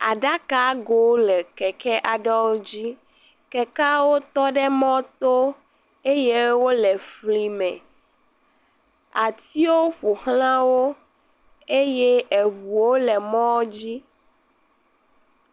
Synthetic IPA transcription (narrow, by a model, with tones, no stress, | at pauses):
a˨ɖa˦ka˦ɡo˦lɛ˨kɛ˨kɛ˦ʔa˨ɖɔ˦wo˦d͡ʑi˦ | kɛ˨ka˦wo˦t̪ɔ˦ɖɛ˦mɔ̃˦t̪o˦ | e˦je˦wo˦lɛ˨fli˦mɛ̰̃˨ | a˨t̪i˦wo˦ɸu˨hl̃ã˦wo˦ | e˦jɛ˦e˨βu˨wo˦lɛ˨mɔ̃˦d͡ʑi˦